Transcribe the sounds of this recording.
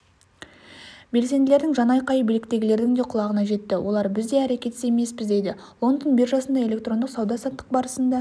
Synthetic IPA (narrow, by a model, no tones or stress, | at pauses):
be̞lse̞nd̪ɪle̞ɾd̪ɪŋʒɑnɑjqɑjəbelɪk̚t̪e̞ɡʲɪle̞ɾd̪ɪŋd̪e̞qʰʊlˠɑʁənɑʒe̞t̪ːɪwʔo̞lˠɑɾbɪzd̪e̞æɾe̞kʲe̞t̪ɪse̞me̞spɪzd̪e̞jd̪ɪ | lˠo̞nd̪ənbɪɾʒɑsənd̪ɑe̞lʲe̞kt̪ɾro̞nd̪əqsɑwd̪ɑsɑt̪t̪ːəq̚bɑɾəsənd̪ɑ